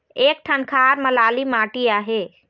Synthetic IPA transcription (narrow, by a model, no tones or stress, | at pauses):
eːk̚ʈʰənkʰaːɾmɐlaːlimaːʈiaːɦeː